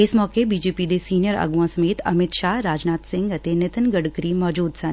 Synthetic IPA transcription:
ɪsmɔːkebiːd͡ʒeːpid̪esiːnijəɾa̰ːɡuʋãsɐmeːt̪ɐ̰mɪt̪ʃaːɦɾaːd͡ʒnaːt̪sɪ̃ŋɡɐt̪enɪt̪ənɡəɽkɾimɔːd͡ʒuːd̪sɐn

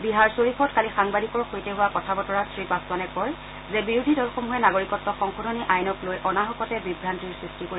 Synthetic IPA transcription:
biɦaɹsoɹipʰɔtkalixaŋbadikɔɹxojtɛɦʊwakɔtʰabɔtɔɹasɹipasanɛkɔɹ | zɛbiɹudʱidɔlxomɦuɛnaɡoɹikɔtːɔxɔŋxodʱoniʔajnɔklojʔɔnaɦɔkɔtɛbibɹantiɹsɹistikoi

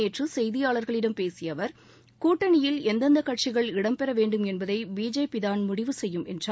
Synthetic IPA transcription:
eːʈrɯsɛjðɪjaːɭɐɾɣɐɭɪɽɐmpeːsɪjɐʋɐɾ | kuːʈːɐnɪjɪlɛnd̪ɐnd̪ɐkɐʈt͡ʃɪɣɐɭɪɽɐmpɛɾɐʋeːɳɖɯmɛnbɐðɐɪbiːd͡ʒeːpɪðaːnmʊɽɪʋɯsɛjːɯmɛndra

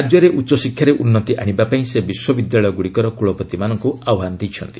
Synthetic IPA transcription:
d͡ʒjɔɾeʔutːt͡ʃɔsikʰːjaɾeʔunːɔt̪iʔaɽ̃ibapaĩsebiswɔbid̪jaɭɔjɔɡuɽikɔɾɔkuɭɔpɔt̪imanɔŋkuawɦand̪ijt͡ʃʰʌ̰nt̪i̥

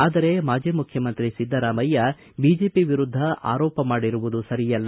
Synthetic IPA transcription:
aːd̪ɐɾe̞maːd͡ʒimukʰjɐmɐnt̪ɾisid̪ʱːɐɾaːmɐjːɐ | biːd͡ʒe̞ːpiʋiɾud̪ʱːɐʔa̰ːɾɔːpɐmaːɽiɾuʋud̪usɐɾijɐlːɐ

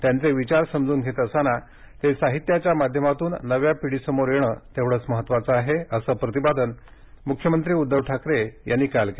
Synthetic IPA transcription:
t̪jant͡seʋit͡ɕaɾsəmd͡zuːnɡʱet̪əsana | t̪esaɦit̪jat͡ɕjamad̪ʱjəmat̪uːnːəʋjapiɽisəmoɾjeɽ̃ə̰ːt̪eʋɽəːt͡sməɦət̪ːʋat͡səaɦeəsəːpɾət̪ibad̪ən | mukʰjəmənt̪ɾiːud̪ːəʋʈʰakɾejanːiːkalke

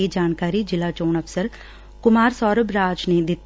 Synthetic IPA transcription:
eːd͡ʒaːnkaːɾid͡ʒɪlaːt͡ʃoːnɐfsəɾ | kʊmaːɾsɔːɾəbɾaːd͡ʒned̪ɪt̪

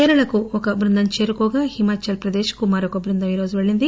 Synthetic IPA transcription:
ɛːɾɐɭɐkuɔkɐbɾund̪ʱɐmt͡ʃeːɾukɔːɡaːhimaːt͡ʃɐlpɾɐd̪eːʃɐ̥kumaːɾokɐbɾund̪ʱɐmiːɾo̞ːd͡ʒuʋeɭːind̪i

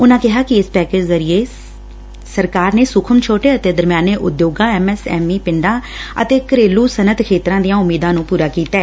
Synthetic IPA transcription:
ʊnãːkɪɦaːkɪɪspɛːkeːd͡ʒzəɾɪeː | səɾkaːɾneːsʊkʰəmt͡ʃʰoːʈeːət̪eːd̪əɾmjaːneːʔʊ̰d̪joːɡãːɛːmɛːsɛ̰ːmiːpɪɳɖãːə̰t̪eːkəɾeːluːsənət̪kʰeːt̪ɾãːd̪ijãːʊmːiːd̪ãːnũːpuːɾaːkiːt̪aɛː

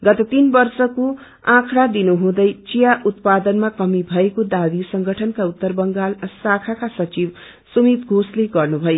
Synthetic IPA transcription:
ɡʌt̪ʌt̪inbʌrsʌku | ãkʰɽad̪inuɦũd̪ʌjt͡sijaʔut̪̚pad̪ʌnmakʌmibʱʌekod̪abisʌŋɡʱʌʈʰʌnkaut̪ːʌrbʌŋɡalsakʰakasʌt͡sib | sumit̪ɡʱosleɡʌrnubʱʌjo

